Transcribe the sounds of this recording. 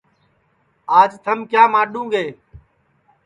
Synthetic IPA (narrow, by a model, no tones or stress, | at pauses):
aːd͡ʒt̪ʰəmkjaːmaːɗũːɡeː